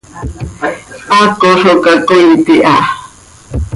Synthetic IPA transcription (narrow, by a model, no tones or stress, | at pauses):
akoʂokakoit̪iʔa